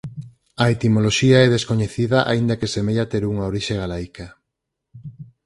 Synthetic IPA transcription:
ɐet̪imoloʃiaɛðeskoɲeθiðɐʔa̰ind̪ɐkesemeʎat̪eɾuŋaoɾiʃeɣalajkɐ

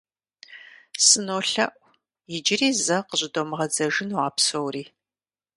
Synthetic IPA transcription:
sɨnoːɬɐ̰ʔʷ | jɪd͡ʒɪriːzɐqəɕʼɪdomɨʁɐd͡zɐʒɪnwaːpsowriː

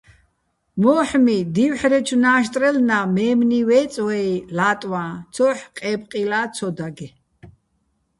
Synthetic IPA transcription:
mɔːħmid̪iwħɾɛt͡ʃʰnaːʃ̬t̪ʼɾɛlnamɛːmniwɛːt͡sʼwɛilat̪ʼwat͡sʰɔħqʼɛpʼqʼilaːt͡sʰɔd̪aɡɛ

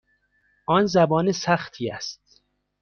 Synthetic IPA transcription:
ʔɒːnzæbɒːnesæxt̪ʰiːæ̰st̪̚

